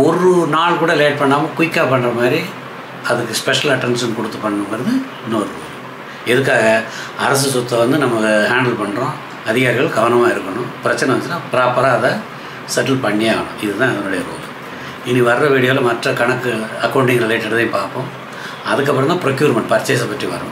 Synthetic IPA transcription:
ɔrɯnaːɭkuːɽɐleːʈ̚pɐɳːaːmɐkʊʋɪkːaːppːɐɳːrɐmaːd̪ɾi | ɐðɯkːɯspɛʂɐlɐʈːɛnʂɐnkɔɽɯt̪ːɯpːɐɳːnɐ̃mɐɾɐðɯ | noːɾo | ɛðɯkːaːɣɐ | ɐɾɐs̬ɯsɔt̪ːɐʋɐnd̪ɯnɐmɐkɯɦaːɳɖɐlpɐɳːɾõː | ɐðɪɣaːɾɪɣɐɭɡɐʋɐnɐmaːɪɾɯkːɐɳʊ̃pɪɾɐt͡ʃːɐnɛ̃ʋɐnːɯnːaːpɪɾaːpːɐɾaːðɐ | sɛʈːɐlpɐɳːijaːɣɐɳʊ̰̃ɪðɯt̪ãːɛðɐnʊɽɐjɐɾo̰ːl | ɪnːiʋɐɾɾɐʋiːɽɪjoːlɐmɐʈrɐkɐɳɐkːɯɐkːɐːɳɖɪŋɡɐɭleːʈːɐɽɐðɐ̃ːpaːɾpõː | ɐðɯkːɐpːɯɾɐmd̪ãːpɪɾɔkjuːɾmɐɳʈpɐɾt͡ʃːeːs̬ɐpɐʈriʋɐ̰ɾʊ̰̃

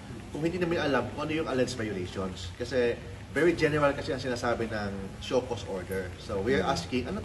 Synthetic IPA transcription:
kʊŋhɪnd̪iːnɐmanɐlamkʊʔɐnojʊŋʔɐlɛsvajʊlejʃonskɐsɛ | vɛɹid͡ʒɛnɛɹɐlkɐsɛʔɐŋsɪnaːsaːbɪnɐŋʃoːkosʔoɹd̪ɛɹsowiɐɹʔaskɪŋʔɐno

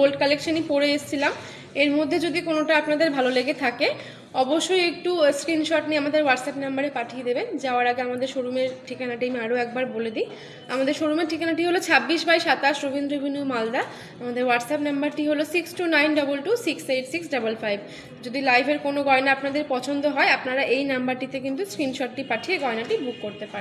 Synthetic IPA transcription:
olʈkalekʃanipoɾeeʃt͡ɕʰilam | eɾmod̪ʱːed͡ʑod̪ikonoʈaapnad̪eɾbʱaloleɡet̪ʰake | ɔboʃːojek̚ʈuskɾinʃɔʈniamad̪eɾwaɖsɛpnambaɾepaʈʰijed̪ebend͡ʑaoaɾaɡeamad̪eɾʃoɾumeɾʈʰikanaʈiameaɾoɛk̚baɾboled̪i | amad̪eɾʃoɾumeɾʈʰikanaʈiɦolot͡ɕʰabːiʃbajʃat̪aʃɾobind̪ɾobʱiniumald̪a | amad̪eɾwaɖsɛpnambaɾʈiɦolosiksʈunajnɖʌbulʈusiksejʈsiksɖabolfajb | d͡ʑod̪ilajbʱeɾkonoɡɔenaapnad̪eɾpɔt͡ɕʰond̪oɦɔeapnaɾaʔejnambaɾʈit̪ekint̪̬uskɾinʃɔʈːipaʈʰijeɡɔenaʈibukːoɾt̪epaɾe

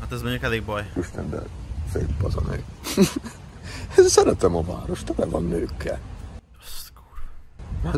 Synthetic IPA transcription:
hat̪ɛzmøɲɟukɛleːɡbɒjiʃt̪ɛnb̪ɛ̰fḛːlpɒzɒnøː | ɛsɛɾɛt̪ɛmɒva̰ːɾo̞ʃt̪ɛlɛvɒnːøːkːɛ̰ | o̥stkuːr

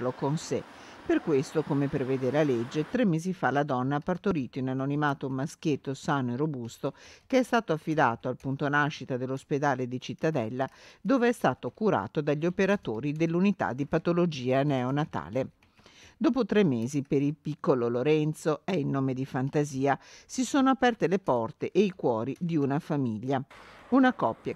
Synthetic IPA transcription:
lokonse | perkwest̪okomepɾevɛːd̪elaled͡ʒːet̪ɾemːeːzifalad̪ɔnːaapart̪oɾiːt̪oinanonimaːt̪omask̟et̪ːosaːnoerobust̪okeɛst̪aːt̪oafːid̪a̰ːt̪oalpunt̪onaʃːit̪ad̪elːosped̪aːled̪it͡ʃit̪ːad̪ɛlːad̪oːveɛst̪aːt̪okuɾa̰ːt̪od̪aʎːiopeɾat̪oːɾid̪elːunit̪a̰d̪ːipat̪olod͡ʒiːanɛonat̪a̰ːle | d̪ɔːpot̪ɾɛmːeːzipeɾilpikːololoɾɛnt̪soɛinːoːmed̪ifant̪aziːasisoːnoapɛrt̪elepɔrt̪eʔeikwɔːɾid̪iunafamiʎːaunakɔpːja

